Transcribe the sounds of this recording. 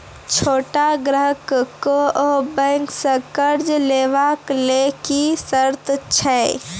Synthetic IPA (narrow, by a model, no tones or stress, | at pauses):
t͡ʃʰoːʈaɡɾəɦəkkoobɛ̃ŋksə̃kəɾd͡ʒleːʋaklekisəɾt̪t͡ʃʰɛ